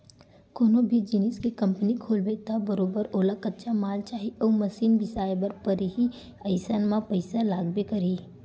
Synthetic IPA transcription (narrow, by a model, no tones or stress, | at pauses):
koːnobʱid͡ʒiniskekɐ̃mpənikʰoːlbet̪abəɾoːbəɾoːlakətːʃʰamaːlt͡ʃaːɦiʔɔːməsiːnbɪsaːjbəɾpəɾiɦi | əɪsanmãpəɪsalaːɡbekəɾi